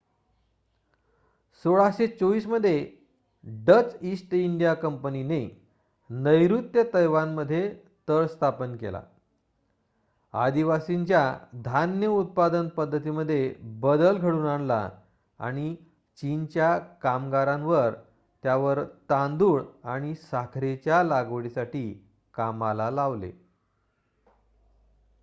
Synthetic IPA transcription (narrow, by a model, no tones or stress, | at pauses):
soɭaɕet͡soʋiːsməd̪ʱːje | ɖət͡sisʈiɳɖijakəmpənine | nəjɾut̪jət̪əjʋanməd̪ʱːje | t̪əɭst̪ʰapənkḛla̰ | a̰d̪iʋasiɲt͡ɕjad̪ʱanjəut̪̚pad̪ənpəd̪ʱːət̪iməd̪ʱːjebəd̪əlɡʱəɽuːnaɳla̰ | a̰ɽ̃i | t͡ɕint͡ɕjakamɡaɾãnʋəɾ | t̪jaʋəɾt̪ãnd̪uːɭaɽ̃isakʰɾet͡ɕjalaɡʋɽisaʈiː | kamalalaʋlḛ